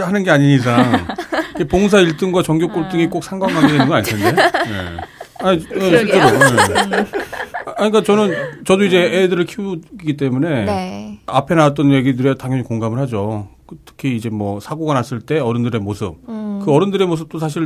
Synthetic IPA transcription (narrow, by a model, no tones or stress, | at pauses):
hanɯnɡe̞aɲiɲis̬ʰaŋikepoŋs̬ʰaiɭt͈ɯŋɡwat͡ɕʌŋɡjok͈oɭt͈ɯŋik͈ok̚sʰaŋɡwaŋɦaɡedwenɯnɡʌaɲitʰendeje̞̰aɲijeɕʰiɭt͡ɕ͈eɾoje | aɲik̬͈at͡ɕʌnɯnt͡ɕʌdoid͡ʑe̞edɯɾɯɭkʰiuɡit̬͈e̞mune̞ | apʰe̞nawat͈ʌnje̞ɡidɯɾetaŋɦjʌɲikoŋɡamɯɭhad͡ʑo | tʰɯ̥kʰiːd͡ʑe̞mwʌsʰaɡoɡanas͈ɯɭt͈e̞ʌɾɯndɯɾe̞mosʰɯ̰p̚kɯʌɾɯndɯɾe̞mos̬ʰɯp̚t͈osʰaɕ̬ʰiɭ